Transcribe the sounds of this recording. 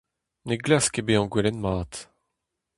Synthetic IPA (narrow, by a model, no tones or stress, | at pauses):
neɡlaskebeɑ̃ɡwɛlɛnmaːt̪